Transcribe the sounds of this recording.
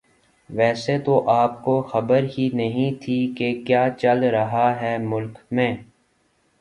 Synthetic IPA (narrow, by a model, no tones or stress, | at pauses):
ʋɛːset̪oʔaːp̚koxɐbəɾɦinɐɦĩt̪ʰikekjaːt͡ʃɐlɾɐɦaɦɛːmʊlkmẽː